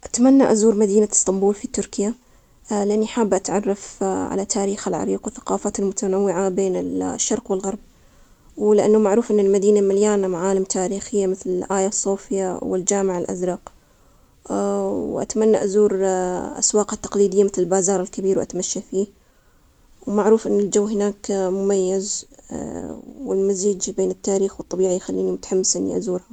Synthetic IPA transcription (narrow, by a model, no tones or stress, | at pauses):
ʔat̪manːaʔazuːɾmad̪iːnast̪ɑmbuːlfit̪ʊɾkɪja | lɪʔanːiħaːbːʔat̪ʕɑrˤːɑfʕa̰lat̪ʰaːɾiːxalʕa̰ɾiːqwɪθḁqɑːfaːt̪almʊt̪anawːɪʕabeːnɪlʃːɑɾˤqwɪlɣɑɾˤb̚ | wlɪʔanːamaʕɾuːfʔɪnːalmad̪iːnamaljaːnamaʕaːlɪmt̪ʰaːɾiːxɪjːamɪθlɪlʔaːjasˤːuːfɪjawɪ̰ld͡ʒaːmɪʕalʔa̰zɾˤɑːq | wʔa̰t̪manːaʔazuːɾʔa̰swɑːqat̪ːɑ̥qliːd̪ɪjːamɪθlɪlbaːzɑːɾˤɪlkabiːɾwʔa̰t̪maʃːafiː | wmaʕɾuːfʔɪnːɪld͡ʒawːɦɪnaːkmʊmajːaz | wɪlmaziːd͡ʒbeːnɪt̪ːaːɾiːxwɨt̪ˤːɑbiːʕijxalːiːnimʊt̪ḁħamːɪsʔɪnːḭʔa̰zuːɾha